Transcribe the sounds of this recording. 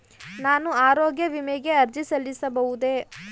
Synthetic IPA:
naːnuaːɾoːɡjɐʋimeɡe̞ɐɾd͡ʒisɐlːisɐbɐʋud̪e̞

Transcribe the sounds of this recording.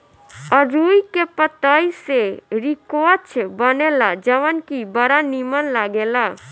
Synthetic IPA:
ɔɾuːikepət̪aːiseɾikoət͡ʃʰbənelad͡ʒəʋənkibəɾanimənlaɡeːlaː

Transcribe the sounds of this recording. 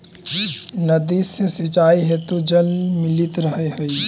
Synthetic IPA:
nəd̪isesit͡ʃaiɦet̪od͡ʒəlmilit̪ɾəɦeɦəi

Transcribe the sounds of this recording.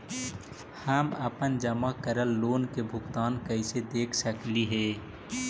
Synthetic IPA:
həməpənd͡ʒəmakəɾəlːoːnkebʱʊkt̪aːnkəɪsed̪eːkʰsəkliɦeː

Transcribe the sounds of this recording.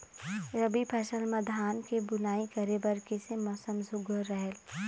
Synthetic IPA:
ɾəbipʰɛːʃəlmɐd̪ʱaːnkebʊnaːikɐɾebɐɾkesemɔːsəmzʊɡəɾːɛɦel

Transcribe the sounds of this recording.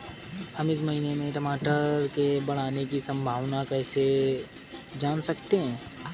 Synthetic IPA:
hɐmɪs̬mɐɦinemẽʈɐmaːʈəɾkebɐɽ̤aːnekisɐ̃mbʱaːʋnakɛːse | d͡ʒaːnsɐkt̪eɦɛ̃ː

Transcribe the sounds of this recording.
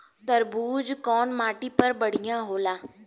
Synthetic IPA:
t̪əɾbuːd͡ʒkɔːnmaːʈipəɾbəɽ̤ijãːɦoːlaː

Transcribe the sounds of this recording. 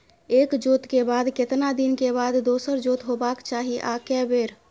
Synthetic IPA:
eːkd͡ʒoːt̪kebaːd̪kɪt̪nad̪ɪnkebaːd̪ːoːsəɾd͡ʒoːt̪ɦobaːkt͡ʃaːɦiʔa̰ːkɛbeːɾ

